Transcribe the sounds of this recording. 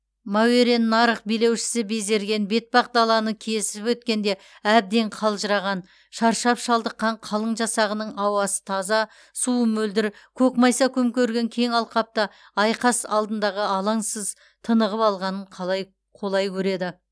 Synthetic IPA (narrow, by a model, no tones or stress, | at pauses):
mɑweɾe̞nːɑɾəq̚bijle̞wʃɪ̥sɪbe̞ze̞ɾɡʲe̞nbe̞t̪̚bɑq̚d̪ɑlˠɑnəkʲʰijesɪɪpwɵt̪̚kʲe̞nd̪e̞ | æb̚d̪e̞ɴqʰɑlˠʒəɾɑʁɑn | ʃɑɾʃɑpʃɑlˠd̪əqːɑɴqʰɑlˠəɴʒɑsɑʁənəɴɑwɑsə̥t̪ʰɑzɑ | suəmɵld̪ɪɾkʲʰɵkmɑjsɑkʲʰɵmkʲʰɵɾɡʲe̞ŋkʲʰe̞ŋɑlˠqɑp̚t̪ə | ɑjqɑsɑ̰lˠd̪ənd̪ɑʁəɑlˠɑŋsəz | t̪ʰənəʁəpɑlˠʁɑnəɴqʰɑlˠɑj | qʰo̞lˠɑjkʲʰɵɾe̞d̪ɪ